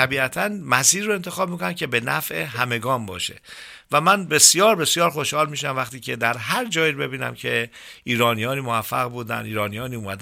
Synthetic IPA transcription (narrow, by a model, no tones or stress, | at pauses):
æbiːæt̪ʰænmæsiːɾːoe̞nt̪ʰexɒːb̚mikʰonæmcʰe̞be̞næfʔeɦæme̞ɡɒːmbɒːʃe̞̰ | væmænbe̞sjɒːɾbe̞sjɒːɾxo̞ʃhɒːlmiːʃæmvæχt̪ʰiːcʰe̞d̪æɾɦæɾd͡ʒɒːjiɾbe̞biːnæ̰mcʰe̞ | iːɾɒːnijɒːniːmoæfːæ̰ɣbuːd̪æ̰niːɾɒːnijɒːniːuːmæd̪